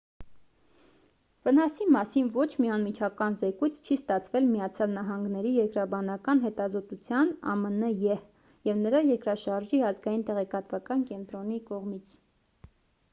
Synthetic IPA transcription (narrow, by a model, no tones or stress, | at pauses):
vənɑsimɑsinvɔt͡ʃʰmiɑnmit͡ʃʰɑkɑnzɛkujt͡sʰt͡ʃʰist̪ɑt͡sʰvɛlmijɑt͡sʰjɑlnɑɦɑŋɡnɛɾijɛɾkɾɑbɑnɑkɑnɦɛt̪ɑzɔt̪ut͡sʰjɑnɑ̰mənəjɛh | jɛvnəɾɑjɛɾkɾɑʃɑɾʒiɑzɡɑjint̪ɛʁɛkɑt̪vɑkɑnkɛnt̪ɾɔnikɔʁmit͡sʰ